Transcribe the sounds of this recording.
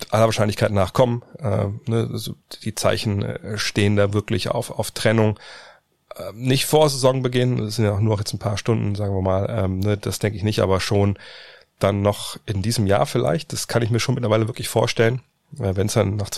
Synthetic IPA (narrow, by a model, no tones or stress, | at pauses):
ʔalɐvaːɐʃaɪnlɪçkʰaɪtnaːχkʰɔmənʔɛ̰ːnəazo̰ːd̥iːt͡sa̰ɪçn̩̰ʃteːəndaːvɪɐklɪça̰ʊfa̰ʊftʁ̥ɛnʊŋ | ʔɛːnɪçtfoːɐzezɔŋbəɡɪːnənsz̥ɪntjaʊxnuːɐʊxjɛt͡sn̩pʰaːɐʃtʊndn̩zaːɡŋviːɐmaːlʔɛːmnəd̥asd̥ɛŋkəɪçnɪçtʔa̰ːbɐʃoːn | d̥anːɔχʔɪndiːzəmja̰ːɐfɪlʔa̰ɪçt̚d̥askʰanɪçmiːɐʃoːnmɪtlɐvaɪləvɪɐklɪçfoːɐʃtɛlən | ʔɛːvɛnsd̥anːaːχt͡s